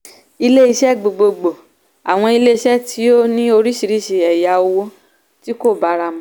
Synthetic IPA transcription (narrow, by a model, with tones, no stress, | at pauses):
i˧le˦i˧ʃɛ˦˨ɡ͡bo˨ɡ͡bo˧ɡ͡bo˨ | a̰˨w̃ɔ̃˧i˧le˦i˧ʃɛ˦tʰi˨˦o˦nĩ˦o˧ɾi˦ʃi˧ɾi˦˨ʃe˧ɛ˨ja˧o˧wo˧ | ti˦ko˦˨ba˨˦ɾa˧mã˨˦